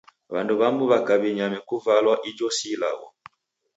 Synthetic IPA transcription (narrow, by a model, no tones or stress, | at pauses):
βanduβambuβakaβiɲamɛkuvalwaʔid͡ʒɔsila̰wɔ̰